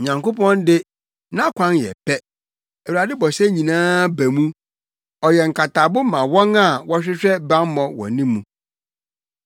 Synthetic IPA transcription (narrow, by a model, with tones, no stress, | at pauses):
ɲã˨ŋko˦pʰɔ̃˦ndɪ˦ | nã˦kʷʰã˦njɛ̰˨pʰɛ˦ | ɛ˨wu˨ɾa˨dɪ˦bɔ˨sɛ˦ɲĩ˨nãː˦bæ˨mũ˦ | ɔ˨jɛ˨ŋ̩˨kʰa˨tʰa˨bʊ˦mã˨wɔ̃˦na˨wɔ˦ɕᶣɪ˦ɕᶣɛ˦ba˦m˦mɔ̃˨wɔ̰̃˨nĩ˦mːũ˨